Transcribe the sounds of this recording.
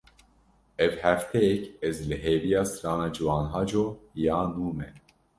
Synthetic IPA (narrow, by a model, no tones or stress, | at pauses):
ɛvhæft̪ʰɛjɛkɛzlɨɦeːvijɑːsɨɾɑːnɑːd͡ʒɨwɑːnɦɑːd͡ʒoːjɑːnuːmɛ